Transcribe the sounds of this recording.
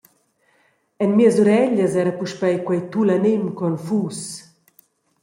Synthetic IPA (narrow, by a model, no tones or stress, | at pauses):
ɛnmiəsuɾɛʎəsɛːɾɐpuʃpɛjkwɛjt̪ulanimkɔnfuːs